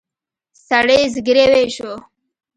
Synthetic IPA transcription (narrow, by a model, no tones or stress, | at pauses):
saɽezɡɾeweʃo